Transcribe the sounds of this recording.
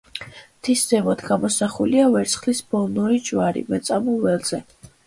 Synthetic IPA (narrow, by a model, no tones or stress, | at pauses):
t̪ʰisdzɛmɔt̪ʰɡamɔsaχuliavɛɾt̪sʰχlisb̥ɔlˠnuɾid͡ʒvaɾḭmɛt̪sʼamuvɛlz̥ɛ